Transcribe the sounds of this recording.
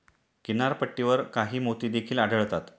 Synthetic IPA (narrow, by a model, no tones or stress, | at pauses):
kinaɾpəʈːiʋəɾkaɦiːmot̪iːd̪ekʰiːlaɖəɭt̪at̪